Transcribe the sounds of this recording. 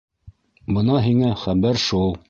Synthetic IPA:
bɤ̆nɑɦiŋæχæbæɾʃulˠ

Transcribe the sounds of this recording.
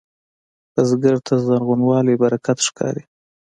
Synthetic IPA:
azɡəɾt̪ʰazanɣunwɑlebaɾakʰat̪ʂkɑ̰ɾi

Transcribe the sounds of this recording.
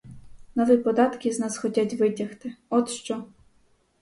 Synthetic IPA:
nɔʋipɔd̪ɑt̪kʲiznɑsxɔtʲatʲʋɪdʲɐxt̪ɪɔt̪ʃt͡ʃɔ

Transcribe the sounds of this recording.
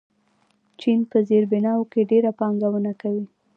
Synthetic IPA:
t͡ʃinpəzeɾbɪnɑwokeɖeɾapɑŋɡawənakawi

